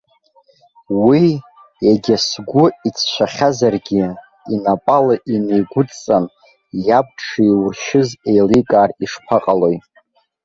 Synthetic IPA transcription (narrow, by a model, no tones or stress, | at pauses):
wi | jaɡʲasɡʷʊit͡sʰʃʷᶣaχʲazarɡʲɪ | inapʼalaʔinejɡʷʊt͡st͡sʼan | jab̚ʈ͡ʂʰijwʊrʃɪzejlikʼaːriʂpʰaqʼalo̞jʼ